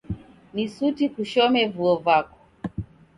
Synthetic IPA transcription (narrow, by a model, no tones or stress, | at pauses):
nisutikuʃɔmɛvuɔvwakɔ̥